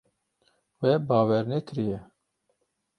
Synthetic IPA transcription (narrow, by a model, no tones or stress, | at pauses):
wɛbɑːwɛɾnɛkʰɨɾijɛ